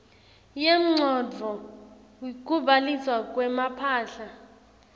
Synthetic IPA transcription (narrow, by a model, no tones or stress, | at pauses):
jem̩ŋ͡ǀʱɔd͡vʱɔ | wik̬ʼuɓaliswakʼwɛmapʰaːɬa